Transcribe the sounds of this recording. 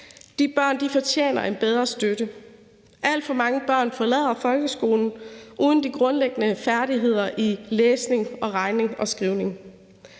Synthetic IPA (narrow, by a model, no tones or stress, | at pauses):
d̥ib̥ɶɐ̰nd̥ifɒ̽t͡ɕʰjḛːnɐʔe̝nb̥eð̞ˠʁɐsd̥øɾ̥ə | ʔæl̰d̥fɒ̽mɑ̈ŋəb̥ɶɐ̰nfɒ̽lɛ̰ð̰ˠɐfɒ̽lɡ̥əsɡ̥o̝ːln̩ʔuːð̞ˠn̩d̥iɡ̥ʁɔ̽nleɡ̥ənəfæɐɾ̥iɦe̝ð̞̰ˠɐʔileːsne̝ŋɒ̽ʁɑ̈ɪne̝ŋɒ̽sɡ̥ʁiʊne̝ŋ